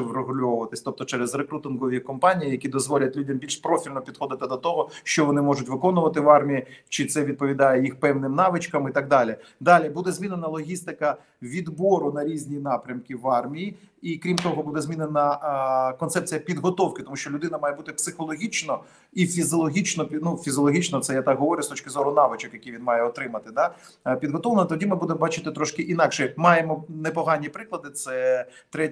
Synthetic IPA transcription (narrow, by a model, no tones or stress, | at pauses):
ʋrɔɦʊlʲɔʋʊʋɐt̪ɪsʲt̪ɔp̚t̪ɔt͡ʃɛɾɛzrekɾut̪ɪnkɔʋʲikɔmpɑnʲijijɐkʲid̪ɔzʋɔlʲɐt̚ʲlʲudʲɐmbʲilʲʃpɾɔfʲilʲnɔpʲid̪xɔd̪ɪt̪ɪd̪ɔt̪ɔɦɔʃt͡ʃɔʋɔnɪmɔʒʊtʲʋɪkɔnʊʋɐt̪ɪʋɑrmʲijit͡ʃɪt̪sɛʋʲid̪̚pɔʋʲid̪ɑjɛjixpɛwnɪmnɑʋɪt͡ʃkɐmɪt̪ɐɡ̚d̪ɑlʲɪd̪ɑlʲibud̪ɛzmʲinenɐlˠɔɦʲist̪ɪkɐ | ʋʲid̪bɔɾʊnɐɾʲizʲnʲinɑpɾʲɐmkɪʋɑrmʲiji | ikɾʲimt̪ɔɦɔbud̪ɛzʲmʲinenɐkɔnt̪sɛp̚t͡sʲijɐpʲid̪ɦɔt̪ɔwkɪt̪ɔmuʃt͡ʃɔlʲʊd̪ɪnɐmɑjɛbut̪ɪpsɪxɔlˠɔɦʲit͡ʃnɔ | ifʲizɔlˠɔɦʲit͡ʃnɔpʲnufʲizʲɔlˠɔɦʲit͡ʃnɔt̪sɛjat̪ɑɡɦɔʋɔɾʲjʊst̪ɔt͡ʃʲkɪzɔɾʊnɑʋɪt͡ʃɔkjɐkʲijʋʲinmɑjɛɔt̪ɾɪmɐt̪ɪd̪ɑ | pʲid̪ɦɔt̪ɔʋlˠenɐt̪ɔdʲimɪbud̪emɔbɑt͡ʃɪt̪ɪt̪ɾɔʃkɪʔinɑkʃɛmɑjemɔnepɔɦɑnʲːipɾɪklˠɐd̪ɪt̪sɛt̪ɾɛ